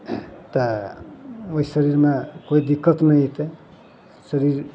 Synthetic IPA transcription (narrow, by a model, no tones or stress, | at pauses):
t̪ʌ | oisəɾiɾmakoid̪ikːət̪nəit̪e | səɾiɾ